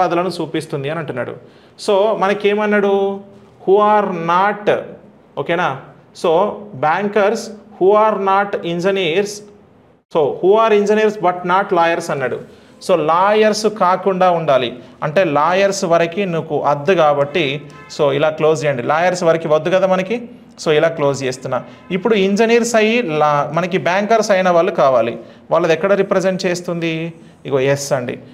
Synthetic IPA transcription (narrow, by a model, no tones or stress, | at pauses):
aːd̪ɐlɐnut͡ʃuːpist̪und̪iɐnɐɳʈunːa̰ːɽṵ | soːmɐnɐkeːmɐnːɐɽu | huːaːɾnaːʈ | oːkeːnaː | soːbaːŋkɐɾshuːaːɾnaːʈiɲd͡ʒɐniɾsː | oːhuːaːɾiɲd͡ʒɐniːɐɾsbɐʈnaːʈlaːjɐɾsɐnːɐɽṵ | soːlaːjɐɾskaːkuɳɖaːuɳɖaːliɐɳʈe̞ːlaːjɐɾsʋɐɾɐkinuːkuʔɐd̪ːukaːbɐʈːi | so̞ːilaːklo̞ːs̬ɛjɐɳɖilaːjɐɾsʋɐɾɐkiʋɐd̪ːuɡɐd̪aːmɐnɐki | so̞ːilaːklo̞ːst͡ʃeːst̪unːaː | ipːuɽuiɲd͡ʒɐniːɾsɐjilmɐnɐkibaːŋkɐɾsɐjnɐʋaːɭːukaːʋaːlḭ | ʋaːɭːɐd̪ɛkːɐɽɐɾipɾed͡ʒeɳʈ̚t͡ʃeːst̪und̪i | iɡoesɐɳɖḭ